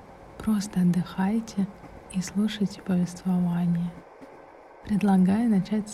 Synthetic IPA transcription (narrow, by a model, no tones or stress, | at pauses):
pɾost̪əɐd̪ːɨxajtʲɪ | islˠuʂəjtʲɪ̥pəvʲɪst̪vɐvanʲɪjə | pɾʲɪd̪lˠɐɡajʊnɐt͡ɕætʲ